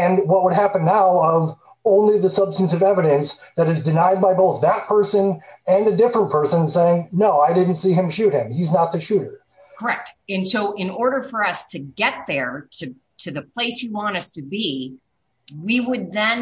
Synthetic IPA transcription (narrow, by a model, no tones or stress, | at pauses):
ɨ̃nwʌt̚wəd̚ɦæpɨ̃nːaʊʌv | õʊ̃nliðɨsʌb̥stɨ̃n̩tɨvɛvɨɾɨ̃nsðɨɾɨzdɨnaɪd̚baɪboʊθðɨt̚pʰɜ˞sɨ̃nɨ̃nɨdɪfɹə̃npʰɜ˞sə̃nseɪɪ̃ŋnoʊaɪdɪdⁿn̩tsiɨ̃mʃʉt̚hɪ̃miznət̪̚ðɨʃʉɾə˞ | kʰə˞ɛk̚tɨ̃nsoʊʔɪ̃nɔɹɾə˞fə˞ʌstʰɨɡɛt̪̚ðə˞ɾɨ | ɾɨðɨpʰl̥eɪsjɨwɑ̃ñʌstʰɨbi | wiwəd̪̚ðɨ̃n